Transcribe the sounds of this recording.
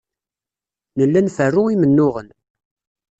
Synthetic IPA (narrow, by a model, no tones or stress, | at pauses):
nəlːænfərːʊimənːʊʁən